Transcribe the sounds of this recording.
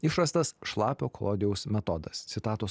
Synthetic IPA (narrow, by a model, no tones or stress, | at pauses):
ɪʃɾɐst̪ɐsʃlˠɑːpʲoːko̰ːd̪ʲɪjɛʊsmʲɛt̪ɔd̪ɐst̪sʲɪt̪ɑːt̪oːs